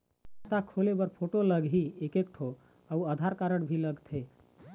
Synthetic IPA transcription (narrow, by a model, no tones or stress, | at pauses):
t̪akʰolebəɾpʰoʈoləɡɦiekek̚ʈʰo | auəd̪ʱaɾkaɾəɽbʱiləɡt̪ʰe